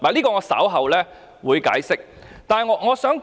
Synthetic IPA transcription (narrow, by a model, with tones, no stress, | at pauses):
laː˨˩liː˥kɔː˧ŋɔː˨˧sɐ̰ː˨˥wɦɐ˨wlɛː˥ | wuː˨˧jka̰ː˨˥jsɪ˥k̚ | t̪aː˨nhɐ˨jŋɔː˨˧˥ŋɔː˨˧sœː˨˥ŋ